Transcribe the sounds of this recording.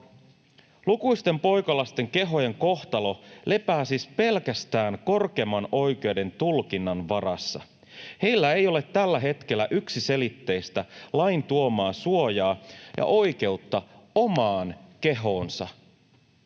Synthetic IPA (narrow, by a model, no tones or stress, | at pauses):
lukuist̪e̞mpo̞jkɑlɑst̪e̞ŋke̞ɦo̞je̞ŋko̞ht̪ɑlo̞le̞pæːsispe̞lkæst̪æːŋko̞rke̞ːmːɑno̞jk̟e̞wde̞nt̪ulkinːɑnʋɑɾɑsːɑ̰ | he̞jlːæe̞jo̞le̞t̪ːælːæɦe̞t̪k̟e̞lːæʔyksise̞lit̪ːe̞jst̪ælɑjnt̪uo̞mɑːsuo̞jɑːjʔɑ̰ʔo̞jk̟e̞ut̪ːɑo̞mɑːnke̞ɦo̞ːnsɑ̰